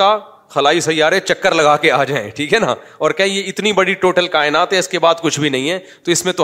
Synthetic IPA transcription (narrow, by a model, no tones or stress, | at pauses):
a | xɐlaːisɐjːaːɾẽt͡ʃɐkːəɾlɐɡaːkeaːd͡ʒaːḛ̃ʈʰiːkɦɛna̰ | ɔːɾkɛɦẽjeɪt̪nibɐɽiʈoːʈəlkaːɪnaːt̪ɦɛ̃ɪskebaːd̪kʊt͡ʃʰbʱinɐɦĩɦɛː | t̪oɪsmẽt̪ʊ